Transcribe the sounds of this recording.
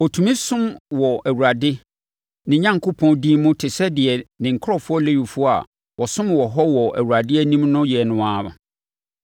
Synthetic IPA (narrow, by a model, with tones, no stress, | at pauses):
o˨tʰũ˨mĩ˦sʊ̃˦mwɔ˨æ˨wu˨ɾa˨dɪ˦ | nɪ̃˨ɲã˦ŋ˨kʰʊ˦pʰɔ̃˦ndĩː˦mʊ̃˦tʰɪ˨sɛ˦dɪ˨ɛ˨nɪ̃˨ŋ̩˨kʰɾɔ˦˨fʊ˦ɔ˦le˦ɥi˨fʊ˦ɔ˦a̰˨ | wɔ˨sʊ̃˦mwɔ˨ɦɔ˦wɔ˨ʔæ̰˨wu˨ɾa˨dɪ˦ɛ˦nĩ˦mnʊ̃˦jɛ˨nʊ̃˨aː˦mã̰˨